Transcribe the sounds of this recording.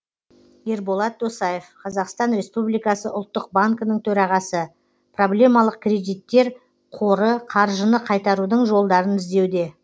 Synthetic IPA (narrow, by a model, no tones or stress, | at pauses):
eɾbo̞lˠɑt̪̚d̪osɑje̞fqʰɑzɑqst̪ɑnɾe̞spublijkɑsəʊ̰lˠt̪ːəq̚baŋkənəɴt̪ʰɵɾɑʁɑsə | pro̞ble̞mɑlˠəq̚kʲʰrʲe̞d̪ijt̪ːe̞ɾ | qʰo̞ɾəqʰɑɾʒənəqʰɑjt̪ɑɾud̪əɴʒo̞lˠd̪ɑɾənɪzd̪e̞wd̪e̞